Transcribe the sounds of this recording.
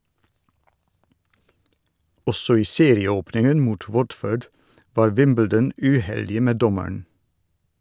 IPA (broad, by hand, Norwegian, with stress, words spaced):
ˈɔsɔ ˈiː ˈseːɾɪəˌoːpnɪŋən ˈmuːt ˈwɔdføːɖ ˈʋɑːɾ ˈwɪmbl̩dən ʉˈhɛldɪə ˈmeː ˈdɔməɳ